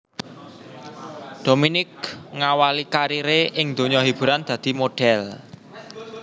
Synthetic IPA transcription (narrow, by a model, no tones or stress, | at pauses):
d̪̥o̤minɪk̚ŋawalikaɾiɾeʔɪŋd̪̥o̤ɲɔɦib̥ṳɾand̪̥ä̤d̪̥i̤moɖ̥ɛl